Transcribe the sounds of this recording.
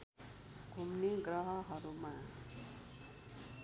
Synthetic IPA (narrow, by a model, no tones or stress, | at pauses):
ɡʱumneɡɾʌɦʌɦʌɾuma